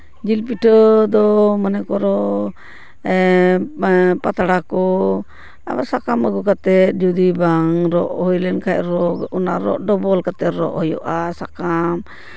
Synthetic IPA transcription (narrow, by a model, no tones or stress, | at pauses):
d͡ʒilpiʈəd̪ɔmənɛkɔɾɔ | pat̪aɽakɔ | a̰basakaməɡukat̪ɛt̪̚d͡ʒud̪ibaŋɾɔʔhɔjlɛnkʰac̚ɾɔɔna̰ɾɔ̰ʔɖɔbɔlkat̪ɛt̪ɾɔ̰ʔhɔjɔ̰ʔasakam